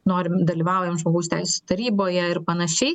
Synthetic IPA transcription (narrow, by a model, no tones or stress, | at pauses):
noːɾʲɪmd̪ɐlʲiʋɑˑʊjɛmʒmoːɡɐʊst̪ʲɛɪsʲɛst̪ɐɾʲiːboːjɛɪɾpɐnɐʃʲɛɪ